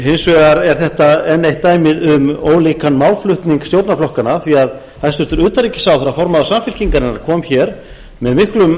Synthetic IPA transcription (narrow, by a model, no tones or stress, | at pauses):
hensvɛɣaɾɛɾ̥θɛht̪aɛnːejht̪ːaːjmɪðʏmoːwliːkanmawlflʏht̪niŋkst̪jowt̪naflɔhkanaθviað | hajsʏɾ̥t̪ʏɾʏːt̪aɾiːcɪ̥sawθɛɾafɔɾmaðasamfɪl̥ciŋkaɾɛnːaɾkʰɔːmçɛɾ | mɛðmɪhklʏm